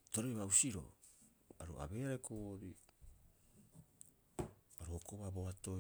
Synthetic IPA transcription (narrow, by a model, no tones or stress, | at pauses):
to̞ɾejβawsiɾo̰ | a̰ɾua̰be̞aɾekʰoɾi | aɾuokoβaboato̞